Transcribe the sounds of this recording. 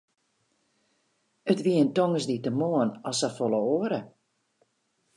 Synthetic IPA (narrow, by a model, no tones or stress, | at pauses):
ətʋiəəntoŋəsditəmoənɔsafolˠəoəɾə